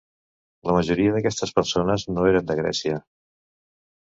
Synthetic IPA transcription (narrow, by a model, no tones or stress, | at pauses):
ləməʒuɾiəðəkɛst̪əspəɾsonəznoeɾənd̪əɣ̞ɾɛ̰siə